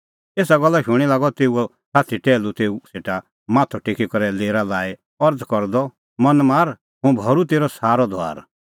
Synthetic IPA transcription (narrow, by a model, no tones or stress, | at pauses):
eːsaɡɔlːaʃʊ̃ɽ̃ilaːɡɔt̪eːuɔ | saːt̪ʰiʈɛːlut̪eːuseːʈa | maːt̪ʰɔʈekʰikɔɾɛleːɾalaːe | ɔɾd̪kɔɾd̪ɔ | mɐ̃nmaːɾ | ɦũbʱɔɾut̪eːɾɔsaːɾɔd̪ʱoa̰ːɾ